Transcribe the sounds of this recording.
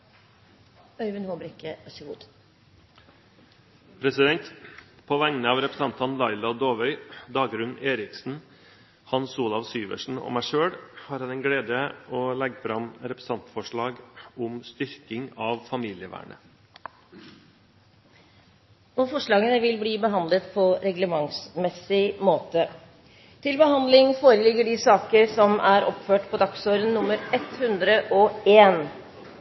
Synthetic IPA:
œɾʋɪnhoːbɾʏkːəɑsəɡṵːd̪̥ | pʰɾɛsɪd̪ɛnt̪pʰoːʋæŋnəɑːʋɾɛpɾəsɛnt̪ʰɑnlɑɪlɑd̪oːʋœʏd̪ɑːɡɾʉneːɾɪksn̩ | hɑnsuːlɑʋsyːʋə̰ʂɳ̩ɔ̰mæɪʂøːɽhɑːɾhɑnɛnɡɽeːd̪əɔːlɛɡfɾɑmɾɛpɾəsɑnt̪fɔʂɭɑːɡʊmst̪ʏɾkɪŋɑʋfɑmiːlɪəʋæ̰ːɳə | nɔfɔʂɭɑːɡənəʋɪlbliːbəɦɑnd̪lət̪pʰɔɾɛɡləmɑŋsmɛsɪmoːt̪ə | t̪ʰɪlbəɦɑnd̪lɪŋfoːɾəlɪɡːəɖɪsɑːkəɾsɔmʔæɾɔpføːʈpʰɔd̪ɑksoːɾənnːʊmːəɾɛt̪hʉnd̪ɾəʔɔeːn

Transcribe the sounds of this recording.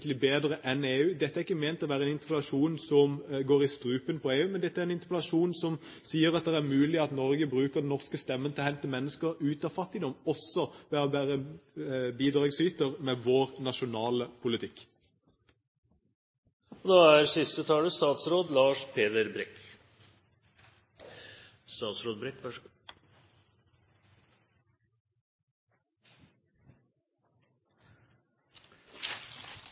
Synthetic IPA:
t̪lɪbeːd̪ʁəʔɛneːʉːd̪ɛt̪ːæɾʁɪkːəmeːnt̪ːɔʋæːʁəɛnɪnt̪əpɛlɑʂuːnsɔmɡoːɾɪst̪ɾʉːpənpʰɔeːʉːmɛnd̪ɛt̪ːæɾɛnɪnt̪əpɛlɑʂuːnsɔm | siːəɾɑt̪̚d̪ɛæʁmʉːlɪɑt̪nɔɾɡəbʁʉːkəʁd̪ɛnɔʁskəst̪ɛmːənt̪ʰɪlɔhɛnt̪əmɛnːəskəʁʉːt̪ɑʋfɑt̪ːɪd̪ɔmɔsːɔʋæːɔbæːʁə | biːd̪ʁɑːɡsyːt̪əʁmɛʋoːʁnɑʃʊnɑːləpʰʊlɪt̪ʰɪkː | ɔd̪ɑːæɾsɪst̪ət̪ʰɑːləst̪ɑːt̪sɾoːd̪lɑːʂpʰeːd̪əɾbɾɛk | st̪ɑːt̪sɾoːd̪bɾɛk

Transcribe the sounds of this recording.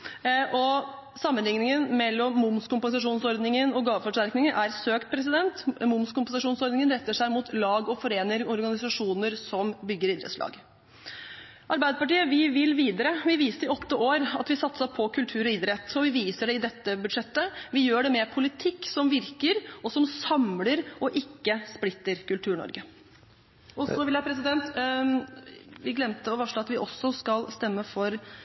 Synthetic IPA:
ʔɔ | sɑmːənlɪŋnɪŋənmɛlːɔmːʊmskʊmpɛnsɑʂuːnsɔɾd̪nɪŋənɔɡɑːʋfɔʂʈæɾknɪŋənʔæɾsøːkt̪̚pʰɾɛs̬ɪd̪ɛnt̪mʊmskʊmpɛnsɑʂuːnsɔɾd̪nɪŋənɾɛt̪ːəʂæɪmut̪lɑːɡɔfɔɾeːnəɾɔɾɡɑnɪsɑʂuːnəɾsɔmbʏɡːəɾɪd̪ɾə̰t̪slɑ̰ːɡ | ʔɑɾbæɪd̪əpɑʈiːəʋɪʋɪlːʋiːd̪əɾəʋɪʋiːsəɾɪɔt̪ːəʔoːɾɑ̰t̪ʋɪsɑt̪səpʰɔkʰʉlt̪ʰʉːɾɔɪd̪ɾɛt̪ːɔʋɪʋiːsəɖɛɪd̪ɛt̪ːəbʉd̪ʂɛt̪ːəʋɪjøːɖɛmɛpʰʊlɪt̪ʰɪkːsɔmʋɪɾkəɾɔsɔmsɑmləɾɔʔɪkːəsplɪt̪ːəɾkʉlt̪ʰʉːɳɔ̰ɾɡə | ɔsɔʋɪljæɪpʰɾɛs̬ɪd̪ɛnt̪ | ʋɪɡlɛmt̪əɔʋæʂɭoːɑt̪ʋɪʔɔsːɔskɑlst̪ɛmːəfɔɾ

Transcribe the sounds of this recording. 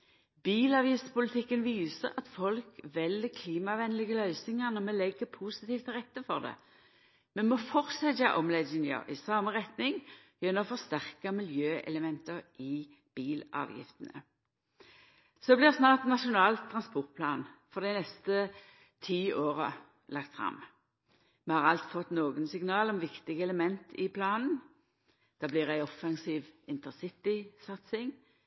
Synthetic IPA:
biːlɑʋjɪst̪pʊlɪt̪ʰɪkːənʋiːsəʁɑt̪fɔlkʋɛləkʰliːmɑʋɛnəlɪɡəlœʏsnɪŋənəmɛlɛɡːəpʰuːsɪt̪iːft̪ʰʁɛt̪ːəfɔʁd̪ɛ̰ | mɛnmɔfɔʁsɛt̪ɑ̰ʔɔmlɛɪnjɑ̰ʔɪsɑːməʁɛt̪nɪŋ | jɛnːɔfɔʁst̪æʁkɑmɪljøːʔɛ̰ləmɛnt̪əʁʔɪ | b̥iːlɑ̰ːʋjɪ̰ft̪ənə̰ | soblɪʁsnɑːʁt̪nɑʃʊnɑːlt̪ʰːʁɑnspɔʁt̪̚pʰlɑːnfɔʁd̪ɪnɛst̪ə | t̪ʰiːʔoːʁə̰ | lʔɑkt̪fɾɑ̰m | mɛhɑʁɑlt̪fɔt̪noːɡənsɪŋnɑːlɔmʋɪkt̪ɪɡəɛləmɛnt̪ʰɪpʰlɑːnn̩ | d̪̥ɑːblɪːʁæɪɔfɑŋsiːʋɪnt̪əsɪt̪ɪsɑt̪sɪŋ

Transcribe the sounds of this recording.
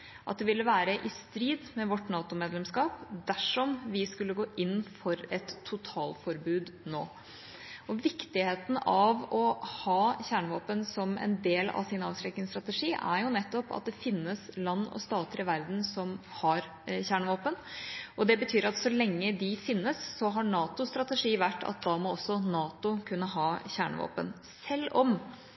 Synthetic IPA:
ʔɑt̪̚d̪ɛʋɪlːəʋæːɾəʔɪst̪ɾiːd̪mɛʋɔʈːnɑːt̪ʊmeːd̪lɛmskɑːpd̪æʂɔmʋɪskʉlːəɡoːʔɪnːfɔɾɛt̪ʰːʊt̪ʰɑːlfɔɾbʉːd̪noː | ɔʋɪkt̪ɪheːt̪ən̩ɑʋɔhɑːçæːɳʋɑːpənsɔmɛ̰nd̪eːlɑ̰ʋsɪnɑːʋsɾɛknɪŋst̪ɾɑt̪əʂiːʔæ̰ɾjʊnɛt̪ːɔpɑ̰t̪̚d̪ɛfɪnːəslɑnːɔ̰st̪ɑːt̪əɾɪʋæɾd̪n̩sɔmhɑɾ | çæːɳʋoːpənʔɔd̪ɛbət̪ʰyːɾɑt̪sɔlɛŋːəd̪ɪfɪnːəsːɔɦɑɳɑːt̪ʊst̪ɾɑt̪əʂiːʋæʈːɑ̰t̪̚d̪ɑːmɔɔsːɔnɑːt̪ʊkʰʉnːəɦɑːçæːɳəʋo̰ːpə̰n | sɛlːɔm

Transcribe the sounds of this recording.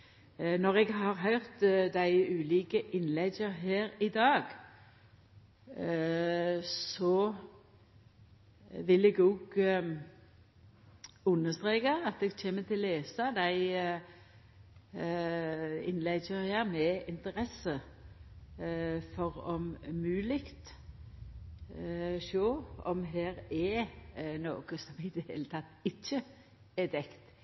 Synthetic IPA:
nɔʁɛɡɦɑʁɦœʏʁt̪d̪æɪʉːliːkəʔɪnlɛɡəɦeːɾɪd̪ɑːɡ | sɔ | ʋɪlɛɡoːɡ | ʉnːəst̪ʁeːkəɑt̪̚d̪ɛɡt͡ʃʰeːmət̪ʰɪlːeːsɑd̪æɪ | ɪ̰nlæɪsøʁɪɑmɛɪnt̪əɾɛsə | fɔʁɔmmʉːlɪkt̪ | ʃoːɔmɦeːɾɛ | no̰ːɡəsɔmɪd̪əheːlət̪ʰɑt̪ːɪçːə | ɛd̪ɛkt̪

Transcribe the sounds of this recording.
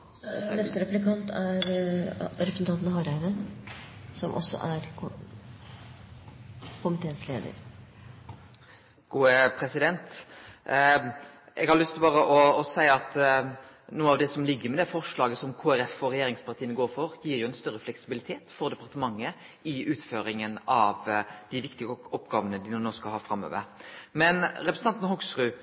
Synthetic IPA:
nɛst̪əɾɛplɪkʰɑnt̪æɾ | ɾɛpɾsn̩t̪ɑːt̪nhɑɾæɪnə | sɔmʔɔ̰sːɔ̰ʔæɾ | kʰʊmɪt̪ʰeːnslḛːd̪ə̰ɾ | ɡ̥uːəpʰɾɛsɪd̪ɛnt̪ | ɛɡhɑɾlʏst̪bɑːʁəʔɔɔsæɪɑt̪ | nuːənɑʋd̪ɛsɔmlɪɡːəɾmɛd̪ɛfɔʁʂɭɑːɡəsɔmkʰuːæɾɛfɔɾɛjeːɾɪŋspʰɑʁt̪iːənɡoːɾfɔɾjiːɾjʊɛɪnst̪œɾːəflɛksɪbɪlɪt̪ʰeːt̪fɔɾd̪ɛpɑɾʁt̪əmɑŋːə | ɪʉːt̪føːɾɪŋənɑʋd̪ɪʋɪkt̪ɪɡəɔpɡɑːʋənəd̪ɪnːnoːskɑhɑɾfɾɑmːø̰ːʋə̰ɾmɛnɾɛpɾsn̩ɑnt̪nəhɔɡsɾʉː

